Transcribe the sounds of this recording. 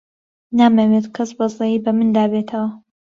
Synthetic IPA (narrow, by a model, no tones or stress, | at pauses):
naːmeweːt̪kʰɐsbɐzejiːbɐmɨnd̪aːbet̪ʰɐwɐ